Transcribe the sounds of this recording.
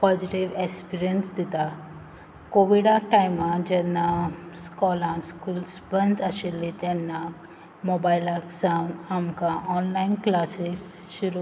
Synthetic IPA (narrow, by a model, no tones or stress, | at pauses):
pɔd͡ʒiʈiʋekspiɾiənsd̪it̪a | koʋiɖaʈajmãd͡ʒɛnːaskɔːlãskuːlsbə̃nd̪aʃelet̪ɛnːa | mobailaksãnamkaʔɔːnlainklaːses | ʃuɾu